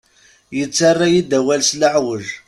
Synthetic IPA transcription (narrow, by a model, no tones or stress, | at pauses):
jət͡sːarˤːajid̪æwælsləʕwəʒ